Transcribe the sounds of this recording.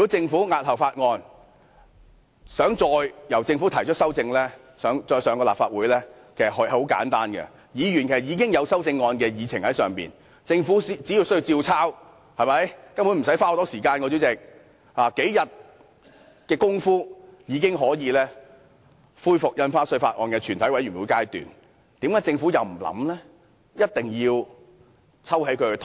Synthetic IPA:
y˨˩kɔ˨˥t͡sɪ˧ŋfuː˨˥ŋaː˧t̚hɐ˨˩wfaː˧t̚ŋɔː˧n | sœː˨˥ŋt͡sɔː˧jjɐ˨˩wt͡sɪ˧ŋfuː˨˥t̪ʰɐ˨˩jt͡ʃʰɵ˥sɐ˥wt͡sɪ˧ŋlɛː˥ | sœː˨˧ŋt͡sɔː˧jsœː˨˧ŋkɔː˧la̰ː˨p̚faː˧t̚wuː˨˥jlɛː˥kʰe˨˩sɐ˨˩ɦo˨˥˧ho˨˥wka̰ː˨˥nt̪aː˥nɡɛ̰˧ | jiː˨˧ɥy˨˩nkʰe˨˩sk̚iː˨˧k̬ɪ˥ŋjɐ˨˧wsɐ˥wt͡sɪ˧ŋːɔː˧nkɛː˧jiː˨˧t͡sʰɪ˨ŋhɐ˨˥jsœ̰ː˨ŋpḭː˨n | t͡sɪ˧ŋfuː˨˥st͡siː˨˥ji˧wsji˧wt͡siː˧wt͡sʰaː˥w | hɐ˨˩jmɐ˨˥jkɐ˥npʰu˨˥nm̩˨˩s̬ɐ˨˥jfaː˥ho˨˥t̪ɔː˥siː˨˩kaː˧nkɔː˧t͡si˨˥wt͡sɪ˨k̚ | haː˨ke˨˥jjɐ˨t̚ | kɛː˧kʊ˥ŋfuː˥jiː˨˧kɪ˥ŋɦɔː˨˥jiː˨˧lɛː˥ | fuː˥jfʊ˨k̚jɐ˧nfaː˥sɵ˧ɥfaː˧t̚ʔɔː˨˧nkɛː˧t͡ʃʰyː˨˩nt̪ʰɐ˨˥jwɐ˨˥jɥy˨˩nwu˨˥kaː˥jt̪y̰ː˨n | t̪iː˨˥mkaː˨˥jt͡sɪ˧ŋfu˨˥jɐ˨˧wm̩˨˩lɐ̰˨˥mlɛː˥ | jɐ˥t̚t̪ɪ˨ŋjiː˧w | t͡sʰɐ˥whe˨˥jkʰɵ˨˧ht̪ʰ

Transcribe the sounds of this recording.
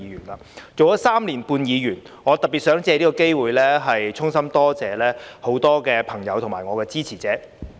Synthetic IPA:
jyː˨˩nlaː˨˧t͡so˨wjɐ˨˥saː˥mliː˨˩npuː˧njiː˨˧jyː˨˩n | ŋɔː˨˧t̪ɐ˨t̚pːi˨t̚sœː˨˥ŋt͡sɛː˧liː˥kɔː˧ke˥jwuː˨jlɛː˥ɦɐ˨jt͡sʰʊ˥ŋsɐ˥mt̪ɔː˥t͡sɛː˨˧lɛː˥ho˨˥wt̪ɔː˥kɛː˧pʰɐ˨˩ŋjɐ̰˨˧wt̪ʰʊ˨˩ŋmaː˨˩ŋɔː˨˧kɛː˧t͡siː˥t͡sʰiː˨˩t͡sɛː˨˥

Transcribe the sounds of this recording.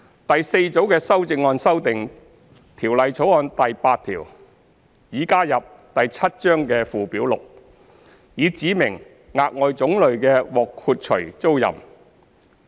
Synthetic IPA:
t̪ɐ˨jse˧jt͡so˨˥wkɛː˧sɐ˥wt͡sɪ˧ŋːɔː˧nsɐ˥wt̪ɪ˨ŋ | t̪ʰiː˨˩wlɐ˨jt͡sʰo˨˥wɔː˧nt̪ɐ˨jpaː˧t̪̚ʰḭː˨˩w | jiː˨kaː˥jɐ˨p̚t̪ɐ˨jt͡sʰɐ˥t̚t͡ʃœː˥ŋkɛː˧fuː˨˩piː˨˥wlʊ˨k̚ | jiː˨˧t͡siː˨˥mɪ˨˩ŋ | ŋaː˧k̚ŋɔː˨˧jt͡sʊ˨˥ŋlɵ˨ɥkɛː˧wɔː˨kʰuː˧t̚t͡ʃʰɵ˨˩ɥt͡so˥wjɐ̰˨˩m

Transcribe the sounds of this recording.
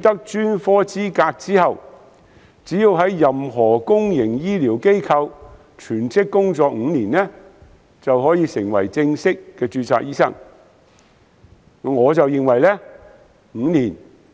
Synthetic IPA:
t̪ɐ˥k̚t͡ʃyː˥nfɔː˥t͡siː˥kaː˧k̚t͡siː˥ɦɐ˨˧w | t͡siː˨˥ji˧wɦɐ˨˥jːɐ˨mɦɔː˨˩kʊ˥ŋjɪ˨˩ŋjiː˥liː˨˩wke˥jkʰɐ˧w | t͡ʃʰyː˨˩nt͡sɪ˥kːʊ˥ŋt͡sɔː˨k̚ŋ̩ː˨˧niː˨˩nlɛ˥ | t͡sɐ˨wɦɔː˨˥jiː˨˧sɪ̰˨˩ŋwɐ̰˨˩jt͡sɪ˧ŋsɪ˥kːɛː˧t͡ʃyː˧t͡sʰa̰ː˧k̚jiː˥sɐ̰˥ŋ | ŋɔː˨˧t͡sɐ˨wjɪ˨ŋwɐ˨˩jlɛ˥ | ŋ̩˨˧˥niː˨˩n

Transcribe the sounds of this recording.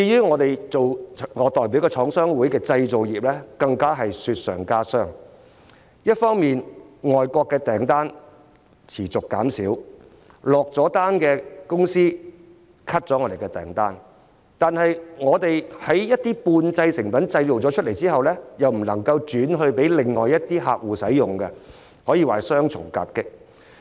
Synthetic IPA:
t͡si˧jyː˥ŋɔː˨˧t̪e˨jt͡so˨wŋɔː˨˧t̪ɔː˨jp̬iː˨˥wkɛː˧t͡ʃʰɔː˨˥ŋsœː˥ŋwuː˨˥jkɛː˧t͡sɐ˧jt͡so˨wjiː˨p̚lɛː˥kɐ˧ŋkaː˥ɦɐ˨jsyː˧t̚sœ̰ː˨˩ŋkaː˥sœː˥˩ŋ | jɐ˥t̚fɔː˥ŋmiː˨nŋɔː˨˩jkʷɔː˧kːɛː˧t̪ɛː˨˩ŋt̪aː˥n | t͡sʰiː˨˩t͡sʊ˨kːaː˨˥msiː˨˥w | lɔː˨k̚t͡sɔː˨˥t̪aː˥nkɛː˧kʊ˥ŋsiː˥ | kʰɐ˥t̚t͡sɔː˨˥ŋɔ˨˧ɾe˨jkɛ˧t̪ɛ̰ː˨˩ŋt̪aː˥n | t̪aː˨nɦɐ˨jŋɔː˨˧t̪e˨jhɐ˨˥jjɐ˥t̚t̪iː˥puː˧nt͡sɐ˧jsɪ˨˩ŋfɐ˨˥nt͡sɐ˧jt͡so˨wt͡sɔː˨˥t͡ʃʰɵ˥t̚le˨˩jt͡siː˥hɐ˨wlɛː˥jɐ˨wm̩˨˩lɐ˨˩ŋkɐ˧wt͡ʃyː˨˥nɦɵ˧ɥpe˨˥jlɪ˨ŋːɔː˨˩jɐ˥t̚t̪iː˥ɦaː˧k̚wuː˨˩sɐ˨˥jjʊ˨ŋkɛ˧ | hɔː˨˥jiː˨˧waː˨˩jsœː˥ŋt͡sʰʊ̰˨˩ŋka̰ː˧p̚kɪ˥k̚

